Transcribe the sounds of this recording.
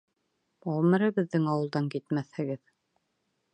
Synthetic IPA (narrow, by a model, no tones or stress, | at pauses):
ɒwmɘ̆ɾɤbɘ̆ðːɘŋɑwɤ̆lˠd̪ɑŋkit̪mæθhɘ̆ɡɘð